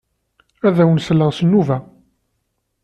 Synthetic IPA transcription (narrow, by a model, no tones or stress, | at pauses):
æðæwənsəlːəʁsənːuvæ